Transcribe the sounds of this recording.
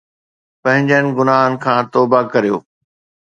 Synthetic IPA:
pɐ̃ɦɪ̃ɲd͡ʑənɪ̆ɡʊnaːɦənɪ̆kʰãːt̪ɔːbakɐɾijo̰ː

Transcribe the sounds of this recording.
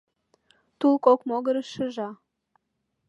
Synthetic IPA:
t̪ulkokmoɣəɾəʃə̆ʒɑ

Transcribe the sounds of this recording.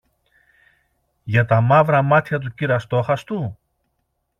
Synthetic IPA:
ʝɐt̪ɐmɐvɾɐmɐt̪çɐt̪̬uciɾɐst̪o̞xɐst̪u

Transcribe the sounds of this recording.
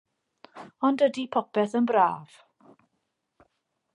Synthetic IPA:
ɔndədipʰɔpɛθənbra̰ːv̥

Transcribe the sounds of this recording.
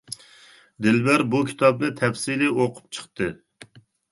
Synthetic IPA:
d̪ɪlbæɾbukʲʰi̥t̪ʰɑb̚d̪ɛt̪ʰɛfsilɪʔoqʰʊ̥p̚t͡ʃʰə̥χt̪ɨ

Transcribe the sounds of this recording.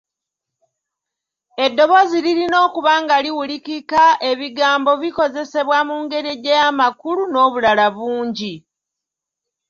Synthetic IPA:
e̞dːo̞βo̞ziliɾino̞ːkuβaːŋɡaliwulikikaʔe̞βiɡaːmbo̞βiko̞ze̞se̞βwamuŋɡe̞ɾeɟejamakuluno̞ːβulalaβuːɲɟi

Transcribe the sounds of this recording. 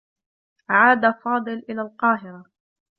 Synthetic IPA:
ʔaʕaːd̪afɑːd̪ˤɨlʔɪlaːlqɑːɦɪɾa

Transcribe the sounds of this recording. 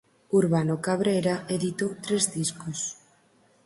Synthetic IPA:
uɾβanokaβɾejɾaʔeðit̪ot̪ɾezdiskos

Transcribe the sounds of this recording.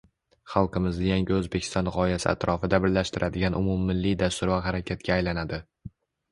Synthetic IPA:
χɑlˠqʰɨmɪzd̪ɪjaŋɡʲɪɵzbekʲʰɪ̥st̪ɒnʁɒɪjasɪ̰a̰t̪ɾʔɒfɪd̪abɪɾlaʃt̪ɪɾʔad̪ɪɡʲanʔʊmumːɪlːijd̪ast̪ʊɾvaɦaɾakʲʰat̪̚kʲʰaːjlanad̪ɪ

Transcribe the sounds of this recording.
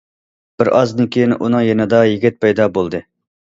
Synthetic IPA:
b̥ɪɾɑzd̪ɨnkʲʰejinʔṵnɨŋjɛnɨd̪ɑjiɡʲɪt̪̚pɛjd̪ɑbolˠd̪ɨ

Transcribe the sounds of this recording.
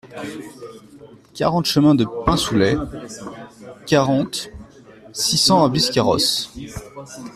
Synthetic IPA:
kʲa̰ʁɑ̃t̪ʃəmɛ̃d̪əpɛ̃sulɛ | kʲaʁɑ̃t̪ | sisɑ̃abliskʲaʁɔ̰s

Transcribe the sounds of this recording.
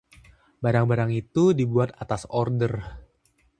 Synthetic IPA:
baɾaŋbaɾaŋit̪udibuat̪at̪asɔrdər

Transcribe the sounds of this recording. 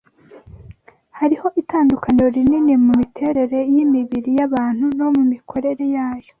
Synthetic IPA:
haɾiho̞ʔitaːndukaneɾoɾininimumitʰe̞ːɾe̞ɾe̞jimiβiɾijaβaːn̥huno̞mumikʰo̞ɾe̞ɾe̞jaːjo̞

